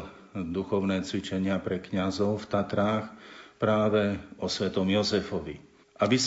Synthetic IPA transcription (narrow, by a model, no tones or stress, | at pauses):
d̪uxɔʊnɛːt͡sʋit͡ʃɛɲɪapɾɛkɲazɔʊft̪at̪ɾaːxpɾaːʋɛɔsʋɛt̪ɔmjɔzɛfɔʋḭ | ʔabis